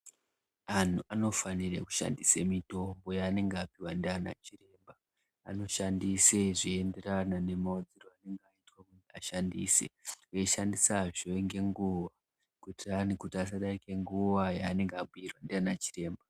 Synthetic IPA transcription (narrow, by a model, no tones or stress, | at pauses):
an̤uʔano̞fanirḛku̥ʃa̰ndisemito̞mbo̞jaːne̞ŋɡeapiwandeana̰t͡ʃire̞mba | a̰no̞ʃandise̞ʐiende̞ranane̞maod͡ziroane̞ŋɡeaitwakuaʃandḭːsḛeʃandisaʐoeŋɡe̞ŋɡuʋa | kutiankutias̬aɗaikeŋɡuʋajaːne̞ŋɡeaɓujirwandanat͡ʃi̥re̞ːmba